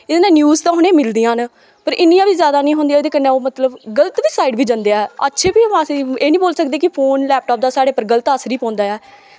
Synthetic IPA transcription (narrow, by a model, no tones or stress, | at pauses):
ɪd̪nẽːnjuːzt̪ãːɦʊnẽːmɪld̪ijãːn | pəɾʔɪnːiːãːʋiːzjaːd̪aːnĩːɦõːnd̪iaːd̪eːkənːẽːoːmət̪ləbɡələt̪ʋiːsaːiɖʋiːd͡ʒə̃nd̪eaɛːə̰tːʃʰeːbiːãːsiːeːnĩːboːlsəkd̪eːkɪpʰoːnlɛːp̚ʈaːp̚d̪aːsaːɽeːpəɾɡələt̪aːsɾiːpãːnd̪aːɛː